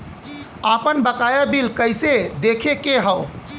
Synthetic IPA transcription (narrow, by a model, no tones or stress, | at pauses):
apənbəkajabilkəjsed̪ekʰekeɦəʊ